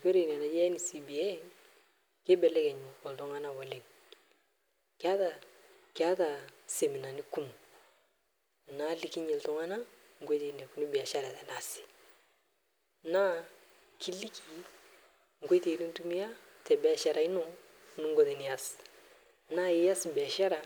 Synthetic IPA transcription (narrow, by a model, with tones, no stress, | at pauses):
ke˦ɾe˨n˨a˨na˨d͡ʒɛ˦ni˨si˨bi˨ɛ˦ | ke˦bɛ˨lɛ˦kɛ˨ɲ˨ɔ˨ltɔ˨ŋa˦na˨wɛ˨lɛ˨k̚ | ka˦ta˨ | kɪa˦ta˨se˨mi˨na˨ni˦ku˦m˨ | na˦li˨ki˦ɲɛ˨ltɔ˦ŋa˦na˦ | ŋ̩˨ɡo˦ti˨nɛ˨ku˨ni˦bi˨a˨ʃa˦ɾa˨tɛ˨na˨sɪ̥˨ | na˦ | kʰi˦li˦ki˨ | ŋ̩˨ke˦te˨ɾi˦n˦tu˦mi˦ja˦ | tɛ˨bɛ˦˨ʃa˨ɾa˨i˦nɔ˦ | nu˦ŋ˦ɡɔ˦tɛ˨ni˨ja˦s | na˦ji˦ja˦sbi˨a˨ʃa˦ɾa˨